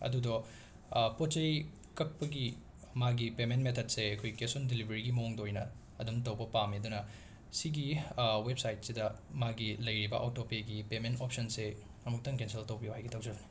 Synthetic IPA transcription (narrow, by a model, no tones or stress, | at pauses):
ɐ̰dudɔ | pot͡ʃɐj | kɐk̚pɐɡi | maɡipementmetʰɐt̚seɐkʰojkesundilibɐɾiɡimɐoŋdojnɐ | ɐdumtɐwbɐpamidunɐ | siɡiwebsajt̚sidɐmaɡilɐjɾibɐʔotopeɡipementop̚sɐnse | ɐmuk̚tɐŋkenseltɐwbijuhajɡitɐwd͡ʒɐbɐni̥